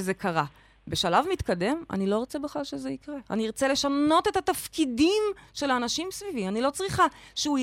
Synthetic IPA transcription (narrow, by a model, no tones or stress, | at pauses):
zekaʁa | be̞ʃalavmit̪kade̞ma̰nilo̞ʁot͡sebeχlalʃezeikʁe̞a̰niʁot͡sele̞ʃano̞te̞that̪afkidimʃe̞laːnaʃimsvivianilo̞t͡sʁiχaʃeu